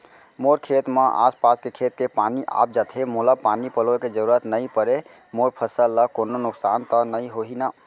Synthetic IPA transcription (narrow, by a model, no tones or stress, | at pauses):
moɾkʰet̪meʔa̰spaskekʰet̪kepaniʔa̰p̚d͡ʒat̪ʰemoləpanipəloked͡ʒəɾuɾət̪nəjpəɾe | moɾpʰəsəlːəkononʊksant̪ənəiɦoɦina